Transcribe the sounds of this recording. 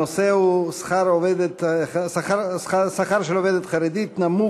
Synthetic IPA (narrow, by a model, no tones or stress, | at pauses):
oseusχaɾoved̪et̪saaɾsasaχaɾʃeloved̪et̪χaɾed̪it̪namu